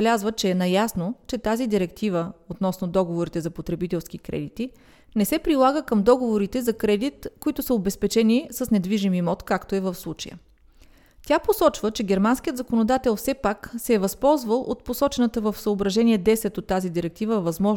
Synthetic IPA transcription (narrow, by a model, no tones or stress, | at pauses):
ɛlʲazvət͡ʃɛːnɐjasnot͡ʃɛt̪azid̪iɾɛkt̪ivəot̪nɔsnod̪ɔɡovoɾit̪ɛzɐpot̪ɾɛbit̪ɛlˠskikɾɛ̰d̪it̪i | nɛsɛpɾilˠaɡəkəmd̪ɔɡovoɾit̪ɛzɐkɾɛd̪it̪koit̪ʊsəobɛspɛt͡ʃɛnisəsnɛd̪viʒimimɔt̪kakt̪oɛvəfslˠut͡ʃɐjə̰ | t̪ʲjaposɔt͡ʃvət͡ʃɛɡʲɛɾmanskʲijət̪zɐkonod̪at̪ɛlˠfsɛpaksɛːvɐspɔlˠzvəlˠʔot̪̚posɔt͡ʃɛnət̪əvəfsəobɾɐʒɛniɛd̪ɛsɛt̪ot̪ːazid̪iɾɛk̚t̪ivəvɐzmɔʒ